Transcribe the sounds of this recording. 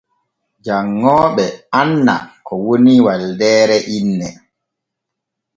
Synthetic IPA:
d͡ʒaŋːɔːɓɛanːa̰kɔwoniwaldɛːɾɛʔinːɛ

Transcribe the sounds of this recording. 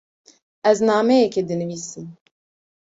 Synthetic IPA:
ɛznɑːmɛjɛkɛd̪ɨnɨviːsɨm

